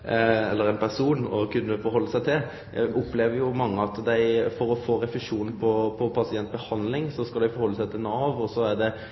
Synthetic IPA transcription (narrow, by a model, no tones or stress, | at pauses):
ɛlːəɾɛɪnpʰæɾsuːnɔkʉnːəfɔɾɦɔlːəsæɪt̪ʰɪl | ʔʊpleːʋəɾjʊmɑŋːəɑt̪d̪æɪfɔɾɔfoːɾɛflɪʂuːnn̩pʰɔpʰɔpʰɑsɪɛnt̪̚bəhɑnd̪lɪŋsɔskɑld̪æɪfɔɾhɔlːəsæɪt̪ʰɪlnɑːʋɔsɔæɖɛ